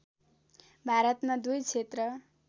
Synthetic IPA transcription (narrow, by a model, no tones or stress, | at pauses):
bʱaɾʌt̪mad̪ujt͡sʰet̪rʌ